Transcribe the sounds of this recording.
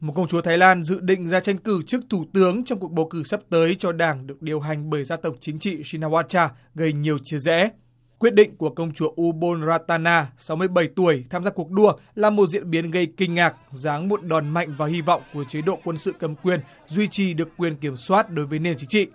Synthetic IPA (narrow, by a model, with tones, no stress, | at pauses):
mo˨˩kə˧wŋ͡mt͡ɕu˨˦t̪ʰaː˨˦jlaː˧nzɨ̰˧˨ɗḭ̈˧˨ŋ̟zaː˧t͡ɕa˧jŋ̟kɨ˧˩t͡ɕɨ˦˥k̚t̪ʰu˧˩t̪ɨ˨˦əŋt͡ɕɔ˧ŋ͡mku˨˩ək̚ɓo˨˦wkɨ˧˩sə˦˥p̚t̪əː˨˦jt͡ɕɔ˧ɗaː˨˩ŋɗɨ˨˩ək̚ɗi˨˩əwɦa˨˩jŋ̟ɓəː˧˩jzaː˧t̪ə˨˩wk͡p̚t͡ɕï˨˦ŋ̟t͡ɕḭ˧˨si˧naː˧waː˧t͡ɕaː˧ | ɣə˧jɲi˨˩əwt͡ɕi˧əzɛ̰˧˥ | kwi˦˥ət̚ɗḭ̈˧˨ŋ̟ku˧˩əkə˧wŋ͡mt͡ɕu˨˦ʔu˧ɓo˧nzaː˧t̪aː˧naː˧sa˨˦wmɨ˧əjɓə˧˩jt̪u˧˩əjt̪ʰaː˧mzaː˧ku˨˩ək̚ɗu˧˩əlaː˨˩mo˨˩t̚zḭ˧˨ənɓi˨˦ənɣə˧jkï˧ŋ̟ːaː˨˩k̚zaː˨˦ŋmo˨˩t̚ɗɔ˨˩nma̰˧˨jŋ̟vaː˨˩hi˧vɔ̰˧˨wŋ͡mku˧˩ət͡ɕə˨˦jɗo̰˧˨kwə˧nsɨ̰˧˨kə˨˩mkwi˧˩ən | zwi˧t͡ɕi˨˩ɗɨ˨˩əkːwi˧˩ənki˧˩əmswaː˦˥t̚ɗo˨˦jvəː˨˦jne˧nt͡ɕï˨˦ŋt͡ɕḭ˧˨